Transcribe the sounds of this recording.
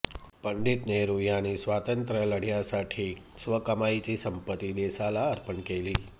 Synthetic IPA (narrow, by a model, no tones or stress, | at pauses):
pəɳɖit̪neɾujanisʋat̪ənt̪ɾələɽ̤jasaʈʰisʋəkəmajt͡ʃisəmpət̪id̪esalaəɾpəɳkeli